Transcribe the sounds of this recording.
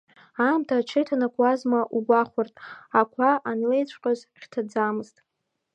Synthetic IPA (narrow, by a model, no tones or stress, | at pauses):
amtʰat͡ʃʰɪjtʰanakʷʰwazmaʔuɡʷaχʷartʼakʷʰaʔanlejt͡ɕʷʰʼqʲʼazχʲtʰad͡zamɨztʼ